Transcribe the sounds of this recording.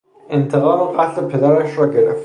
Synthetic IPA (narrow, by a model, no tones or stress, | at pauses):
ent̪ʰeɣɒːmoɣæslepʰe̞d̪æɾæʃɾɒːɟeɾef